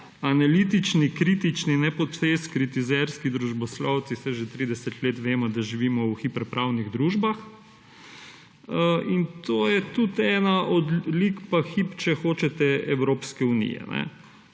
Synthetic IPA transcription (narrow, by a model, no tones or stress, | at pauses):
analiːt̪it͡ʃnikɾiːt̪it͡ʃninɛpɔt̪feskɾit̪izɛɾskid̪ɾuʒbɔslɔwt̪sisɛʒet̪ɾiːd̪ɛsɛt̪leːt̪ʋeːmɔd̪aʒiʋiːmɔwxipɛɾpɾawniɣd̪ɾuʒbax | əint̪oːjɛt̪ut̪ɛːnaʔɔd̪likpaxipt͡ʃɛxoːt͡ʃɛt̪ɛɛwɾoːpskɛunḭjɛ̰nɛ̰